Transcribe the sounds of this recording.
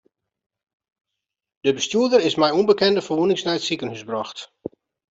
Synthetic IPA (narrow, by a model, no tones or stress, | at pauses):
d̥əbəstjuːdəɾɪsmɛjunbəkɛndəfərʋunɪŋsnɛjətsikənhysbrɔxt